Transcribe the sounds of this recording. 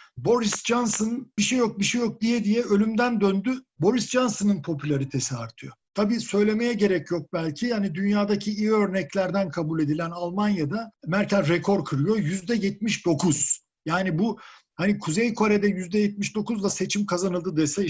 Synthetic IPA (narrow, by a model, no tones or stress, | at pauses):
bo̞ɾisd͡ʒansonb̥iʃejok̚biʃejok̚d̪ijɛd̪ijɛø̞lʲymd̪ænd̪ønd̪y | bo̞ɾisd͡ʒansonɯnpʰo̞pʰylʲaɾit̪ʰe̞siaɾt̪ʰɯjo̰t̪ʰabiːsø̞jlʲe̞me̞jɛɟe̞ɾɛcjok̚bælʲcʰihanid̪ynjaːd̪acʰiijø̞ɾnɛclʲæɾd̪ænkʰabulʲe̞d̪ilʲænalˠmanjad̪amæɾcʰæɾʲɾɛkʰo̞ɾkʰɯɾɯjo̞jyzd̪ɛjɛt̪̚miʃd̪̥o̞kʰuz̥ | jaːnibu | hanikʰuzejkʰoɾed̪ɛjyzd̪ɛjɛt̪̚miʃd̪o̞kuzlˠase̞t͡ʃʰimkʰazanɯlˠd̪ɯd̪esɛ